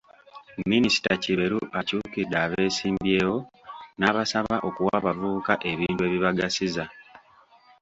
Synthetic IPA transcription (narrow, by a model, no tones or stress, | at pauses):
minisi̥taciβe̞ɾuʔacuːkidːaːβe̞ːsiːmbjeːwo̞naβasaβaʔo̞kuwaːβavuːkaʔe̞βiːntwe̞ːβiβaɡasiza